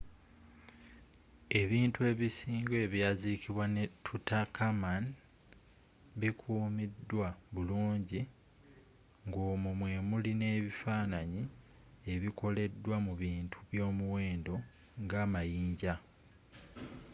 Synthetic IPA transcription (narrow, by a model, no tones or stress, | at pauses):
e̞βiːntue̞βisiːŋɡoe̞βjazikiβwanetʰutakʰaman | βikʰuːmidːwaβuluːɲɟi | ŋɡoːmumwe̞ːmuline̞ːβifaːnaɲi | e̞βiko̞le̞dːwamuβiːntʰuβjo̞ːmuwe̞ːndo̞ | ŋɡaːmajiːɲɟa